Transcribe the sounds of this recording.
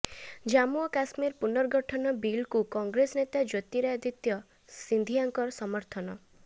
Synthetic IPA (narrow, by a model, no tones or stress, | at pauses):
d͡ʒamuɔkasmiɾpunɔɾɡʱɔʈʰɔnɔbilkukɔŋɡɾesɔnet̪ad͡ʒot̪iɾad̪it̪jɔ | sind̪ʱiaŋkɔɾɔsɔmɔɾt̪ʰɔnɔ